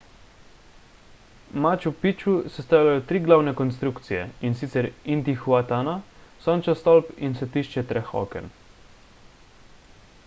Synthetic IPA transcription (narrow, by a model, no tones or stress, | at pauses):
mat͡ʃupit͡ʃusɛst̪aːwlʲajɔt̪ɾiːɡlawnɛkɔnst̪ɾukt̪sijɛ̰insit̪sɛɾint̪ixwat̪anasɔnt͡ʃast̪ɔlpinsɛt̪iʃt͡ʃɛt̪ɾɛxɔ̰kɛ̰n